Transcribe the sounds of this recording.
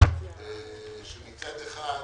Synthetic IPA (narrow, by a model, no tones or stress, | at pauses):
eʃemit͡sat̪eχa